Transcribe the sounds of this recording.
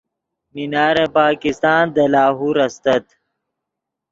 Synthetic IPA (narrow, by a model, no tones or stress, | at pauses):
minaːɾepaːkist̪aːnd̪ɐlaːɦuːɾɐst̪ɐt̪